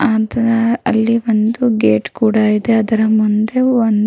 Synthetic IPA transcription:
aːd̪ɐɐɐlːiʋond̪uɡeːʈkuːɽaːid̪eɐd̪ɐɾɐmund̪e̞ond̪

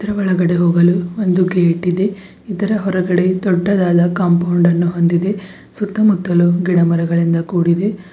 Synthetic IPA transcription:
it̪ɐɾɐʋɔɭɐɡɐɽe̞ɦoːɡɐluond̪uɡeːʈːid̪e̞ | id̪ɐɾɐɦɔɾɐɡɐɽe̞d̪ɔɖːɐd̪aːd̪ɐkɐmpɐwɳɖɐnːuɦo̞nd̪id̪e̞ | sut̪ːɐmut̪ːɐluɡiɽɐmɐɾɐɡɐɭind̪ɐkuːɽid̪e̞

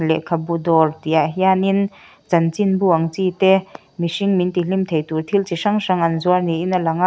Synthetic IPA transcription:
lɛ̰ʔkʰabud̪ɔrt̪iaɦianin | t͡sɐnt͡sinbuʔaŋt͡sit̪e | misiŋmint̪ilimt̪ʰejt̪urt̪ʰilt͡siʂaŋʂaŋɐnzuarniʔinɐlaŋaʔ

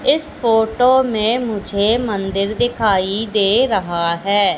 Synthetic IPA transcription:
ɪspʰoːʈoːmẽːmʊd͡ʒʱeːmənd̪ɪɾd̪ɪkʰaːiːd̪eːɾəɦaːɦɛː

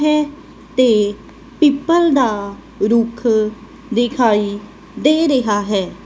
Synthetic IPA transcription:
ɦɛː | t̪eː | piːpəld̪aː | ɾʊkʰ | d̪ɪkʰaːiː | d̪eːɾəɦaːɦɛː

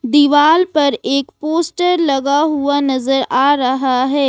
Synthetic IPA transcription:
d̪iʋaːlpɐɾeːkpoːsʈəɾlɐɡaɦuanɐzəɾaːɾɐɦaɦɛː

